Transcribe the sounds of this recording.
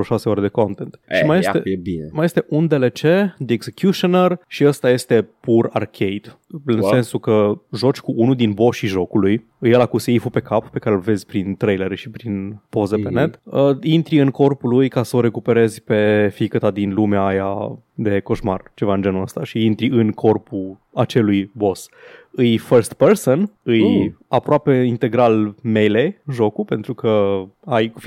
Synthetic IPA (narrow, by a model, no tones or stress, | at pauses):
oʃase̞oɾed̪e̞ko̞nt̪ent̪ʃimajet̪emaje̞st̪e̞ʔund̪e̞le̞t͡ʃe̞d̪eeɡzekʲjuʃonərʃiəst̪aje̞st̪e̞pura̰rkʰejd̪̥ɨnse̞nsukəʒo̞t͡ʃʲkuunuld̪inboʃiʒo̞kuluj | ɨjelakuseifupe̞kappe̞kaɾelve̞zʲpɾint̪ɾejleɾeʃipɾinpo̞zepene̞t̪əint̪ɾiɨŋko̞rpulujkasəoɾe̞kupe̞ɾe̞zʲpe̞fikət̪ad̪inlumeaːja̰ | d̪e̞ko̞ʃmart͡ʃe̞vaɨnd͡ʒe̞nuəst̪aʃiint̪ɾiɨnkʰo̞rpu | at͡ʃe̞lujbo̞sɨjfəɾst̪̚peɾsonɨjapɾoape̞int̪e̞ɡɾalme̞jleɨnʒo̞kupe̞nt̪ɾukəajkuf